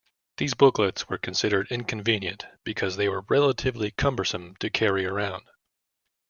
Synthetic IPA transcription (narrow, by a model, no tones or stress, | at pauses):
ðizbʊklɨtswə˞kʰɨ̃n̩sɪɾə˞ɾɪ̃nkʰɨ̃ɱvĩnjɨ̰̃nb̥ɨkʰʌzðeɪwə˞ɹɛlˠəɾɨvlikʰʌ̃mbə˞sə̃mtʰɨkʰɛɹiə˞ãʊ̃nd̥